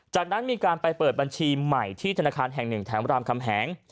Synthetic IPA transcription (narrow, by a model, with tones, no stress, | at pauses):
t͡ɕaː˨˩k̚na˦˥nmiː˧kaː˧npa˧jpɤː˨˩t̪̚ba˧nt͡ɕʰiː˧ma˨˩jt̪ʰiː˥˩t̪ʰa˧naː˧kʰaː˧nɦɛ˨˩ŋnɯ˨˩ŋt̪ʰɛː˩˦mɾaː˧mkʰa˧mɦɛː˩˦ŋ